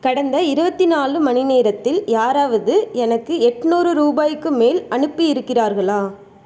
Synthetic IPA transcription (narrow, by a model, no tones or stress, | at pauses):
kɐɽɐnd̪ɐɪɾɯbɐt̪ːɪnaːlɯmɐnɪneːɾɐt̪ːɪljaːɾaːʋɐðɯɛnɐkːɯɛʈːnuːɾɯɾuːbaːjkːɯmeːlɐɳɯpːɯjɪɾɯkːɪraːɾɣɐɭaː